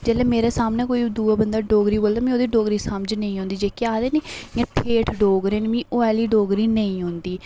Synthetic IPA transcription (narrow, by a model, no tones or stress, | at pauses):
d͡ʒɛːlɛːmeːɾeːsaːmnɛːkoːiːd̪uːaːbənd̪aːɖoːɡɾiːboːld̪aːmɛ̃ːoːd̪iːɖoːɡɾiːsəmd͡ʒnə̃ĩːɦõːnd̪iːd͡ʒeːkeaːd̪eːneːãːʈʰeːʈʰɖoːɡɾeːnmĩːʔoːɛːliːɖoːɡɾiːnəĩːɦʊ̃nd̪iː